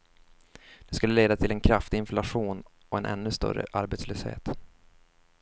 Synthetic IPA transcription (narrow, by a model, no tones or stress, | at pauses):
d̪̥ɛskɵlːəleːd̪at̪ʰɪlɛnkʰɾaft̪ɪɪnflaɧuːn | ɔɛnʔɛ̰nːɵst̪œ̰ɾːə̰ʔaɾbeːt̪sløːshḛːt̪